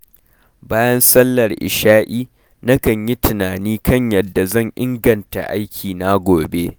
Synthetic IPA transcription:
baː˦jɐ˦nsɐ˦lːɐ˨rʔɪ̰˨ʃaː˦ʔiː˦ | na˦kɐ˨ɲji˦tɪ˨naː˨niː˦kɐ˦˨ɲjɐ˨dːa˨zɐ˦˨ɲʔɪ˦ŋɡɐ˨nta̰˨ʔa˦jkʲʰiː˨na˦ɡʷoː˨be˦

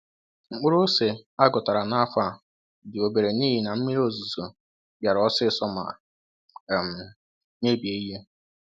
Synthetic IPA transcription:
ŋ͡m̩˨k͡pʊ˦ɾʊ˦se˨a˦ɡɔ˨ta˨ɾa˨na˦fa˦ | dɪ˨o˨be˨ɾe˨niː˦ɦi˦na˨m̩˦mi˦ɾo˦zu˨zo˨ | ba˨ɾɔ˦sɪ˦sɔ˦ma̰˨ | m̩˨ | ne˦bi˨e˨i˦ɦe˦

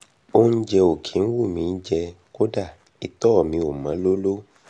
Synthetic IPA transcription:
o˦n̩˦d͡ʒɛ˧o˨kʰĩ˨˦n̩˦wu˦˨mĩ˨˧n̩˦d͡ʒɛ˧ | ko˦da˦˨ | i˨tɔ˦˨mĩ˧o˨mã˨˦lo˦lo˦

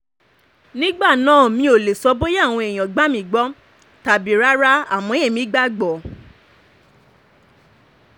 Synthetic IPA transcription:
nĩ˦ɡ͡ba˦˨nãː˨˦˨mĩ˧o˨le˨sɔ˧˦bo˦ja˦˨w̃ɔ̃˧e˨j̃ãɔ̃˨ɡ͡ba˨˦mĩ˨ɡ͡bɔ˦ | ta˨bi˨ɾa˦ɾa˦a˨mɔ̃˨˦e˦˨mĩ˨˦ɡ͡ba˦ɡ͡bɔ˨

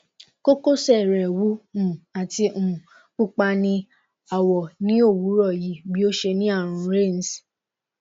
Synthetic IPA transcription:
ko˦ko˦˨sɛ˦˨ɾɛ˨wu˨˦ũ˨a˨ti˧ũ˨ | k͡pu˦k͡pa˧nĩ˧ | a˨wɔ˨nĩ˨˦o˦˨wu˨˦ɾɔ˦˨ji˨˦bi˦o˦ʃe˧nĩ˦a˦˨ɾ̃ũ˨˧ɾe˦˨n˨˦s

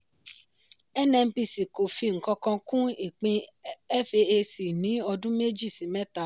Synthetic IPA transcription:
ɛ˦nɛ̃˧m̩˦bi˧˨si˨ko˨fi˧ŋ̩˨kɔ̃˧kɔ̃˧kũ˦i˦˨k͡pĩ˧ɛ˦fe˧e˧si˨nĩ˨˦ɔ˧dũ˦me˦d͡ʒi˦˨sĩ˨mɛ˦ta˦˨˦

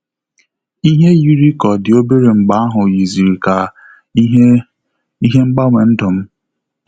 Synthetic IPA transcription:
i˦ɦe˦ju˦ɾi˦kɔ˨dɪ˨o˦be˦ɾe˨ŋ͡m̩˨ɡ͡ba˦a˦ɦʊ˨ji˨zi˨ɾi˨ka˨˦ | i˦ɦe˦ŋ͡m̩˦ɡ͡ba˦ŋʷe˨n̩˦dʊ˨m̩˦

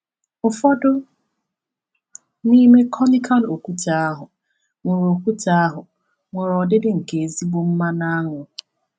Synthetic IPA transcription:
ʊ˨fɔ˦dʊ˦ | ni˦me˦kʰɔ˦ni˦kʰa˦n˨o˨kʷu˦tʰa˨a˦ɦʊ˨ | ŋʷe˨ɾo˨kʷu˦ta˦a˦ɦʊ˨ | ŋʷe˨ɾɔ˨dɪ˦dɪ˦ŋ̩˨ke˨zi˦ɡ͡bo˦m̩˦ma˦na˦a˦ŋʊ˨

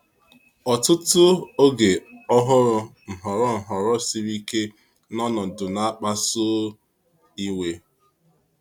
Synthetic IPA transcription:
ɔ˨tʊ˦tʊ˦o˦ɡe˨ɔ˦ɦʊ˦ɾʊ˦n̩˨ɦɔ˨ɾɔ˦n̩˨ɦɔ˨ɾɔ˦si˦ɾi˦ke˦ | nɔ˦nɔ˨dʊ˨na˦k͡pa˦so˦ | i˦we˦

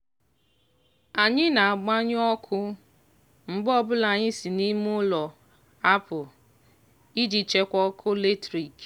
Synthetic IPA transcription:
a˨ɲɪ˦na˨a˨ɡ͡ba˦ɲ˦ɔ˦kʰʊ˦ | m̩˨ɡ͡bɔ˦˨bʊ˦la˨ɲɪ˦si˨ni˦mʊ˦lɔ˨ | a˦pʊ˨ | i˦d͡ʒi˨t͡ʃe˦kʷɔ˦kʰʊ˦le˦tɾi˨k

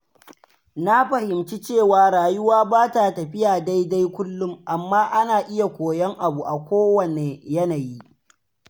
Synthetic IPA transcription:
na˦ɸɐ˨hɪ˨mt͡ʃi˦t͡ʃeː˦˨waː˨ɾaː˨jʊ˦waː˦baː˦ta˨tɐ˨ɸɪ˦jaː˨da˦jda˦jkʷʊ˦lːʊ˦mʔa˨mːaː˦ʔa˦naː˨ʔɪ˦ja˨kʷoː˨jɐ˦ŋʔa˨bu˨ʔa˨kʷoː˦wɐ˨ne˨jɐ˦na˨ji˦ʔ

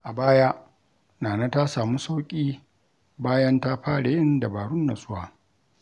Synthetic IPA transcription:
ʔa˨baː˦ja˦ʔ | naː˨na˦ta˦saː˨mu˦sa˦wkʲʼiː˦ | baː˦jɐ˦nta˦ɸaː˦ɽa˨jɪ˦nda˨baː˨ɽʊ˦nːa˨sʼʊ˦waː˨

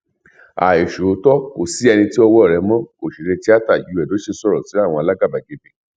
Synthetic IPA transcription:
a̰˨e˨ʃo˨˦tɔ˦o̰˨si˦ɛ˧nĩ˧ti˦ɔ˧wɔ˦˨ɾɛ˨˧˦mɔ̃˦o˨ʃi˨ɾe˧ti˦a˦ta˦˨ju˨˧˦ɛ˨do˨˦ʃe˧sɔ˦˨ɾɔ̃˨ti˨˦ɾa˦˨w̃ɔ̃˧a˧la˦ɡa˦˨ba˨ɡe˧be˧˨

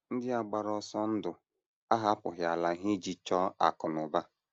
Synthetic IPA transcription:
n̩˦dɪ˦a˨ɡ͡ba˨ɾɔ˨sɔ˦n̩˦dʊ˨ | a˦ɦa˦pʊ˨ɦja˨la˨˦ɦi˦d͡ʒi˨t͡ʃɔ˦a̰˨kʊ˨nʊ˨ba˦

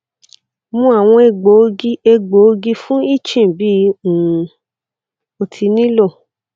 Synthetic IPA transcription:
mũ˦a˦˨w̃ɔ̃˧e˧ɡ͡bo˨˦ɡi˧e˧ɡ͡bo˨˦o˦˧ɡi˧fũ˦i˦˨t͡ʃĩ˦˨bi˦˧ũ˨ | o˧tʰi˧nĩ˦lo˦˨

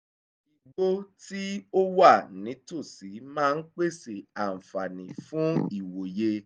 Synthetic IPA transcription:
i˨ɡ͡bo˦ti˦o˦wa˦˨nĩ˨˦to˦˨si˨˦mãː˦˧n̩˦k͡pe˦˨se˨a˨m̩˨fa˨nĩ˨fũ˨˦i˦˨wo˨je˧

